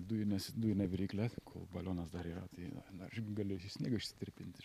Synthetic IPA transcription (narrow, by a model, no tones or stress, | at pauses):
d̪ujɪnʲɛsd̪uːjɪnʲɛʋʲɪɾʲiːkʲlʲɛkʰo̰ːbɐlʲoːnɐsd̪ɐɾiːɾɐ̰t̪ɐɪ̰nɐʃɡɐlʲʊsisʲnʲiɛɡɐʊʃʲsʲɪ̥t̪ʲɪɾʲpʲɪnʲt̪ʲɪ̥